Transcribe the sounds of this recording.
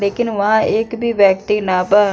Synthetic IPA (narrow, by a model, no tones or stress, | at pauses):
leːkɪnʋəɦãːʔɪkbʱiːʋɛːk̚t̪iːnaːpə